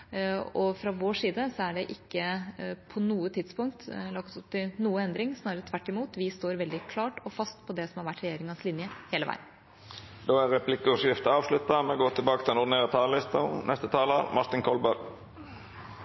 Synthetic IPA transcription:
ɔfɾɑʋoːʂiːd̪əsɔæɖɛʔɪkːəpʰɔnuːət̪ʰɪd̪spʊŋk̚t̪lɑkt̪ʊp̚t̪ʰɪlnuːəɛnd̪ɾɪŋsnɑːɾət̪ʰʋæʈːɪmuːt̪ʋɪst̪oːɾʋɛld̪ɪkʰlɑːʈɔfɑst̪pʰɔd̪ɛsɔmhɑɾʋæʈːɾɛjeːɾɪŋɑnslɪnjəheːləʋ̰ɪd̪n | d̪oːæɾɛpʰlɪkːəɔsɪft̪əɑːʋslʉt̪ːɑmɛɡoːt̪ʰɪlbɑːkət̪ʰɪlɛnʊʁd̪ɪneːʁɑt̪ʰɑːləlɪst̪ɑnʔɛst̪ət̪ʰɑːləɾmʔɑʁt̪ɪŋkʰɔlbɑɾ

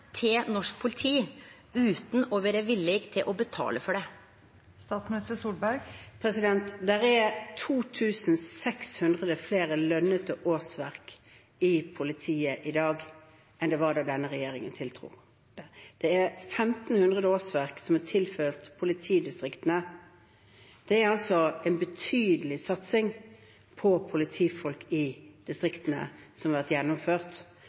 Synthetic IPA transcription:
t̪ʰɪnɔʂk̚pʰʊlɪt̪ʰiː | ʉːt̪n̩ɔʋeɾəʋɪlːɪɡt̪ʰɪlʔɔbət̪ʰɑ̰ːləfɔɖɛ | st̪ɑːt̪smɪnɪst̪əsuːlbæɾɡpʰɾɛsɪd̪ɛnt̪d̪ɛɾæt̪ʰuːt̪ʰʉːsnsɛkshʉnd̪ʁəd̪əfleːɾəlœnːət̪əʔoːsʋæʁk | ɪpʰʊlɪt̪ʰiːəʔɪd̪ɑːɡ | ʔɛnd̪ɛʋɑdɑːd̪ɛnːəʁɛjeːɾɪŋənt̪ʰɪlt̪ʰɾṵː | d̪̥ɛd̪̥ɛæɾfɛmt̪n̩hʉnd̪ʁəd̪əoːsʋæʁksɔmɑt̪ʰɪlføːʁt̪pʰʊlɪt̪ʰiːd̪ɪst̪ʁɪkt̪ənə | d̪̥ɛæɾɑlsɔɛnbət̪ʰyːd̪əlɪsɑt̪sɪŋ | pʰɔpʰʊlɪt̪ʰiːfɔlkɪd̪̥ɪst̪ʁɪkt̪ənə̰sɔmhɑɾʋæʁt̪jɛnːɔmføːʁt̪

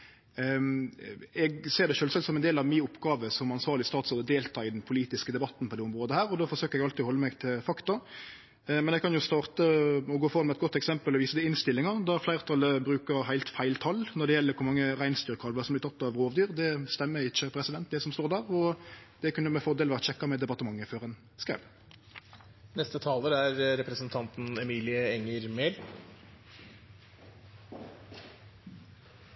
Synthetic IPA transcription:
ɛɡseːʁd̪ɛʃøːlsɛlsɔmɛnd̪eːlɑʋmiːʊpːɡɑːʋəsɔmɑnsʋɑːʁlɪst̪ɑːt̪soːd̪əd̪eːlt̪ʰɑːɪd̪ɛnpʰʊliːt̪ɪskəd̪ɛbɑt̪ːn̩pɔd̪ɛːʊmʁoːd̪əhæːɾɔd̪oːfɔʂøːkəɾɛɡɑlt̪ɪɔhɔlːəmæɡt̪ʰɪlfɑkt̪ɑ | mɛnɛɡkʰɑnjʊst̪ɑːʁt̪əɔɡoːfɔɑmɛɛt̪̚ɡɔt̪ːɛksɛmpəlɔʋiːsəd̪ɛɪnst̪ɪlːɪŋɑd̪æʁflæɪət̪ʰɑlːəbɾʉːkəɾɦæɪt̪fæɪlt̪ʰɑlnɔɖ̪ɛjɛlːəɾkʰʊɾmɑŋːəʁæɪnst̪yːʁkʰɑlʋəsɔmblɪt̪ʰɑt̪ːɑʋʁoːʋd̪yːʁd̪ɛst̪ɛmːəɾɪçːəpʰɾɛsɪd̪ɛnt̪̚d̪ɛsɔmst̪oːʁd̪æːʁɔd̪̥ɛkʉnːəmɛfɔd̪eːlʋɑɑt̪ɕɛkːɑmɛd̪ɛpɑt̪əmɑŋːəføːʁɛn | skæ̰ɪʋ | nɛst̪ət̪ʰɑːləɾæɾɾɛpɾəsənt̪ʰɑnt̪n̩ɛmiːlɪəɛŋəɾmeːl

